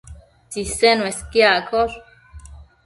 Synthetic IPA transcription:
t͡sisenweskiakʰoɾ

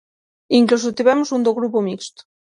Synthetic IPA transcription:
iŋklosut̪iβɛmuzund̪oɣɾupumikst̪

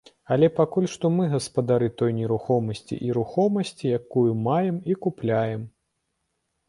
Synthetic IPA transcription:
ɐlʲɛpakulʲʂt̪ɔmɨɣɐspɐd̪aɾɨt̪ɔjnʲɛɾuxɔmɐsʲt͡sʲḭʔiɾuxɔmɐsʲt͡sʲijakujumajɛmikuplʲajɛm

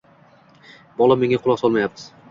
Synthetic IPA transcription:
bɒlˠame̞ŋaqʰʊlˠɒqsɒlˠmajap̚ɪz̥

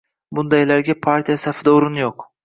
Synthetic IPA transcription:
bund̪aelʲæɾɟʲɛpʰaɾt̪ʰiɛsafɯd̪aoɾunjok

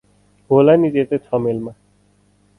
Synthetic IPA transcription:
ɦolanid͡ʒet̪etʰɔmelma

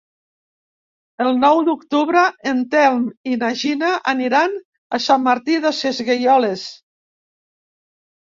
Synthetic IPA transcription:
əlˠnɔwd̪ukt̪uβɾəent̪ɛlˠminaʒinaʔaniɾan | asamːaɾt̪iðəsezɣejɔles

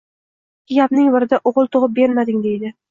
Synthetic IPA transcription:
ɪjʲapnɪŋvɪɾɪd̪aʔoʁɨlˠt̪ʰoʁɨp̚be̞ɾmad̪ɪŋd̪e̞jd̪ɪ

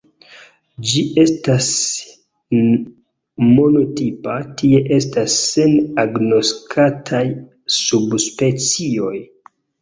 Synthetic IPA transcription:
d͡ʒiʔe̞stas | mo̞no̞tipatie̞ʔe̞stasːe̞naɡno̞skʰatʰaj | subspe̞t͡sio̞j

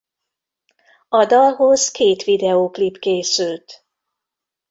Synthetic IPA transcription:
ɒd̪ɒlɦo̞zkeːt̪ʋid̪ɛoːklipkeːsylt̪

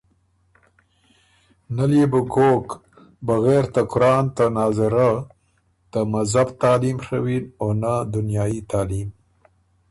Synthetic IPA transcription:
naljebəkok | baɣeɾt̪akʊɾɑːnt̪anɑzɪɾa | t̪əmazabt̪ɑːlimʂawinonad̪ʊnjɑːjit̪ɑːlim

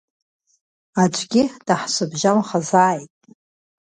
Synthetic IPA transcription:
at͡ʃʷʰʼɡʲɪd̥aħsʷʊbʒamχazaːjtʼ

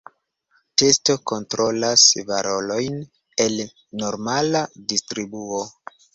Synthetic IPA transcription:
testo̞ko̞ntɾo̞lasvaɾo̞lo̞jn | e̞l | no̞ɾmaladistɾibuo

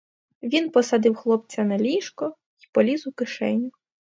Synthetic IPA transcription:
ʋʲinpɔsɐd̪ɪwxlˠɔp̚t͡sʲɐnɐlʲiʃkɔ | i̥pɔlʲizʊkɪʃɛnʲːʊ

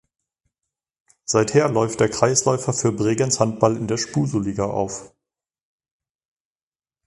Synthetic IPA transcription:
z̥aɪtheːɐlɔʏftd̥eːɐkʁ̥aɪslɔʏfɐfyːɐbʁeːɡənshant̚b̥alɪndeːɐʃpuːzoliːɡaʔa̰ʊf

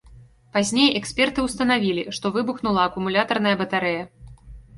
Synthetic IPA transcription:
pazʲnʲejɛksʲpʲɛrt̪ɨwst̪ɐnavʲilʲiʂt̪ɔvɨbuxnulˠɐːkumulʲat̪ɐrn̪ɐjɐbɐt̪aɾɛjɐ

